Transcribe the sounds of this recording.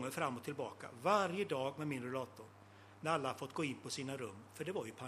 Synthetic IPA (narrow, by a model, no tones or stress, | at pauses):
ŋːəɾfɾamːɔt̪ʰːɪlbɑːka̰vaɾjəd̪ɑːɡmɛmɪnɾɛlɑːt̪ʊɾ | næɾalːahafɔt̪ːɡoːɪnpʰɔsiːnaɾɵmːfœɖɛvaɾjɵpʰa